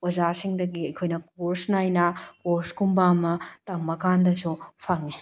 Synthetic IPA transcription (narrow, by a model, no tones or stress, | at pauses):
ɐzasiŋdɐɡiɐjkʰojnɐk̚oɾsnajnɐkoɾskumbamɐtɐmːɐkandɐsupʰɐŋi